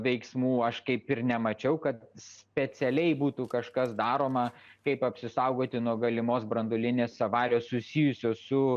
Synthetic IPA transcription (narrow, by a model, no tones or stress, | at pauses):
ʋʲɛɪksmuːɐʃkɐɪpɪɾnʲɛmɐt͡ʃʲɛʊkɐt̪ssʲpʲɛt͡s̪ʲɛlʲɛɪbuːt̪ukɐʃkɐsd̪ɑːɾoːmɐ | kɐɪpɐpʲsʲɪsɐʊɡoːt̪ʲɪnuɔɡɐlʲɪmoːsbɾɐnd̪oːlʲɪnʲeːssɐʋɑːɾʲoːssʊsʲiːjʊsʲoːsʊ